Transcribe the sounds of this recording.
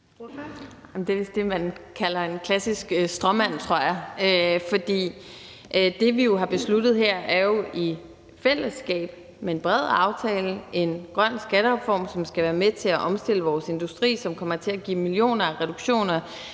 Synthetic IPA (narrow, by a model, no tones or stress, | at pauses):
md̥e̝ʋesd̥e̝mænkʰælɐe̝nkʰlæsisɡ̥sd̥ʁɒmæn̰t͡sʰʁo̝ɐ̰jɑ̈øfɒ̽d̥ḭː | d̥e̝ʋijo̝ɦɑ̈b̥e̝slud̥ð̩ˠɦeɐ̰ʔæɐjo̝ʔi | fel̰əsːɡ̥ɛ̰ːb̥ | menb̥ʁɛð̰ˠɑ̈ʊt͡sʰɛːləʔe̝nɡ̥ʁɶn̰sɡ̥æɾəʁɛfɒ̰ːmsɒ̽msɡ̥æʋæːɐmet͡sʰe̝æʔɒ̽msd̥e̝ləʋɒːse̝nd̥usd̥ʁḭːsɒ̽mkʰɒ̽m̰ɐt͡sʰe̝æɡ̥ḭːmilijo̝̰ːnɐæʁɛd̥uɡ̥ɕo̝̰ːnɐ